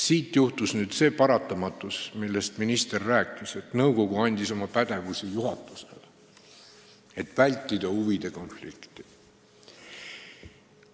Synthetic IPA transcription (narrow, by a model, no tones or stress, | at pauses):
siːt̪juht̪usnyːd̪̥se̞ːpɑɾɑt̪ːˑɑmɑt̪ːˑusmilːest̪minist̪e̞rːæːkːˑise̞t̪nɤwko̞ɡ̥uɑnʲd̪̥iso̞mɑpæd̪̥e̞vusijuhɦɑt̪ːˑu̥se̞̰l | e̞t̪ːˑvælʲt̪ːˑid̪̥ɑuvid̪̥e̞ko̞nflikt̪i̥